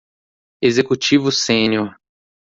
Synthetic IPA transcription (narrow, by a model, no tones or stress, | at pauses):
ezekut͡ʃivʊsẽnʲoɾ